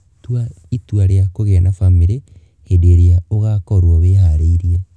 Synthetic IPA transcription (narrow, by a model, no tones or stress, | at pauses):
twa | itwaɾeakoɣenafamiɾe | hendeɾeaoɣakɔɾwɔβehaɾeiɾia